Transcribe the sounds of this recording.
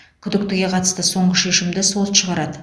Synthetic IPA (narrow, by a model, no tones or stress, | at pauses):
kʲʰʏd̪ɪk̚t̪ɪɡʲe̞qʰɑt̪ə̥st̪əso̞ɴəʃe̞ʃɪmd̪ɪso̞lˠʃəʁɑɾɑd̪ə